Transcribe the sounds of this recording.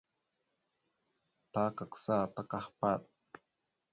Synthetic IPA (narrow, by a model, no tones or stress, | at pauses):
taːkaksaːt̪akahpat̪̚